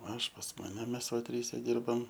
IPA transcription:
ˈɐʃ pɐs ˈmɑːnʲɛ ˈmʲɛs ʋɐ ˈtʲrʲiːsʲɛ ˈdʲɪrbɐm

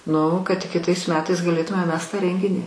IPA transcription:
ˈnʊ kɐt tʲɪk kʲɪˈtɐɪs ˈmʲæːtɐɪs ɡɐˈlʲeːtʊmʲɛ ˈmʲɛs tɑː ˈrʲɛŋʲɡʲɪnʲiː

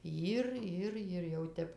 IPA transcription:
ˈjɪr ˈɪr ɪr jɛʊ ˈtʲɛp

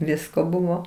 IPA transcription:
ˈʋʲɪskoː ˈbʊʋoː

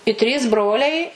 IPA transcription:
ɪ ˈtʲrʲiːs ˈbroːlʲɛɪ

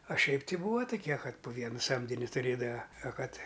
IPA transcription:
ɐ ˈʃʲɛɪp ˈtʲɪ ˈbuːʋɐ tʊˈkʲiɛ ˈkɐt pʊ ˈʋʲiɛnɐ ˈsɐmʲdʲɪnʲɪ tʊˈrʲeːdɐʋɐ ɐ ˈkɐt

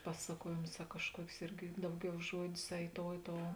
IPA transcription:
ˈpɑːsɐkuɔjeːmʊs ɐ kɐʃˈkuɔkʲʊs ˈɪrʲɡʲɪ ˈdɐʊˌɡʲɛʊ ˈʒuɔdʲʊs ɐ ɪ ˈtoːʊ ɪ ˈtoːʊ

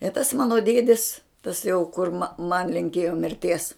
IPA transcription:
ɪ tɐs ˈmɑːnoː ˈdʲiɛdʲɪs tɐs jɛʊ kʊr mɐ mɐn lʲɪŋʲˈkʲeːjoː mʲɪrʲˈtʲiɛs

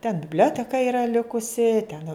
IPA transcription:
tʲɛn bʲɪbʲˈlʲoːtʲɛkɐ ˈɪrɐ ˈlʲɪkʊsʲɪ tʲɛn

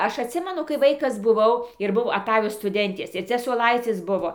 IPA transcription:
ˈɐʃ ɐtʲˈsʲɪmʲɛnʊ kɐɪ ˈʋɐɪkɐs bʊˈʋɐʊ ɪr ˈbʊʋoː ɐˈtɑːjoː stʊˈdʲɛnʲtʲeːs ɪr ˈt͡sʲɛ suɔˈlˠɐɪt͡sʲɪs ˈbʊʋoː

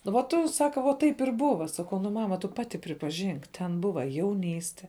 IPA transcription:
nʊ ʋɐ ˈtʊ ˈsɑːkɐ ʋoː ˈtɐɪp ɪr ˈbʊʋɐ ˈsɑːkɐʊ nʊ ˈmɑːmɐ tʊ ˈpɑːtʲɪ pʲrʲɪpɐˈʒʲɪŋk tʲɛn ˈbʊʋɐ jɛʊˈnʲiːsʲtʲɛ

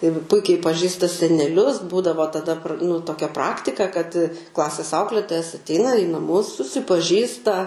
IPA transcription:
ɪr ˈpʊɪkʲɛɪ pɐˈʒʲiːstɐ sʲɛnʲɛˈlʲʊs ˈbuːdɐʋoː tɐˈdɐ nʊ toːˈkʲɛ ˈprɑːktʲɪkɐ kɐt ˈklˠɑːsʲeːs ˈɐʊklʲeːtoːjɛs ɐtʲˈɛɪnɐ iː nɐˈmʊs sʊsʲɪpɐˈʒʲiːstɐ

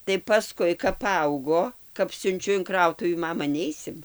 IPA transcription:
tɐɪ pɐˈskʊɪ kɐp pɐˈɐʊɡoː kɐp sʲʊnʲˈt͡ʃʲʊ ɪn ˈkrɐʊtʊʋʲiː ˈmɑːmɐ ˈnʲɛɪsʲɪm

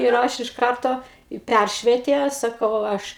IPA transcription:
ɪr ˈɐʃ ɪʃ ˈkɐrtoː ɪ ˈpʲærʲʃʲʋʲiɛtʲeː ˈsɑːkɐʊ ˈɐʃ

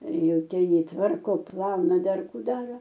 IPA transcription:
ˈjɛʊ ˈtʲɛn ˈjiː ˈtʋɐrkoː ˈplˠɐʊnɐ ˈdɐr ˈkuː ˈdɑːroː

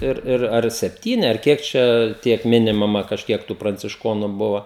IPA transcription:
ˈɪr ˈɪr ɐr sʲɛpʲˈtʲiːnʲɪ ɐr ˈkʲiɛk t͡ʃʲɛ ˈtʲiɛk ˈmʲɪnʲɪmɐmɐ kɐʃʲˈkʲiɛk tuː prɐnʲt͡sʲɪʃˈkoːnʊ ˈbʊʋɐ

